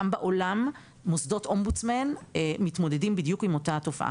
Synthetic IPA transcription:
ambaʔo̞lamː | osdo̞tʔombut͡smenemitmo̞dedimbid̪jukimo̞tato̞faʔa̰

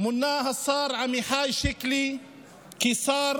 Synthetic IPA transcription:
mʊnːaːɦasˤɑːɾˤʕamiħaːjʃɪkli | kisɑːɾ

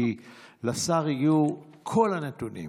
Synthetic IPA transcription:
ilasaʁijukʰolanetunḭ

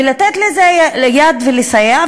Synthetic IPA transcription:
ilat̪et̪lezelejad̪velisaja

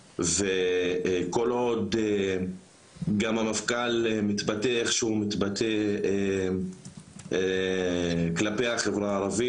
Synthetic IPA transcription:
ve | ko̞lo̞d̪e | ɡamhamafkalemit̪bateeχʃeumit̪bat̪e | klape̞aχevʁaːʁavi

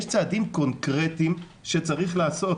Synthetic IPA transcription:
ʃt͡saːd̪imko̞nkʁet̪im | ʃet͡saʁiχlaːso̞

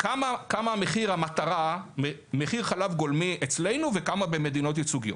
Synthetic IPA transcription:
kamakamameχiʁhamat̪aʁamemeχiʁχalavɡolmiet͡sle̞jnuvekamabe̞me̞d̪ino̞t̪jet͡suɡijo̞

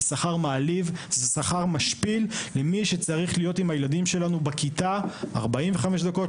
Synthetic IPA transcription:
saχaʁmaːlivzesaχaʁmaʃpillemiʃet͡saʁiχlijo̞timhajeladimʃe̞lanubakit̪aa̰ʁbaimveχameʃd̪ako̞

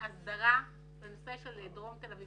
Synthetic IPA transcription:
asd̪aʁa | benoseʃeled̪ʁo̞mt̪elavi

